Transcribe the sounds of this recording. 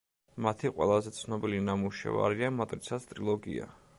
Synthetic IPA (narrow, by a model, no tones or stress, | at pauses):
mat̪ʰiqʼwɛ̰lˠazɛt̪sʰnɔbilinamuʃɛ̰va̰ɾiamat̪ʼɾit̪sʰast̪ʼɾilˠɔɡḭa̰